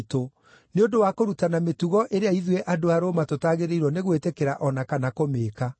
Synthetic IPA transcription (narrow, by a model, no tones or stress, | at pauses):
to | neondowakoɾutanametuɣɔʔeɾeaiðweʔadoaɾoːmatotaːɣeɾeiɾwɔneɣwetekeɾaʔɔnakanakomeːka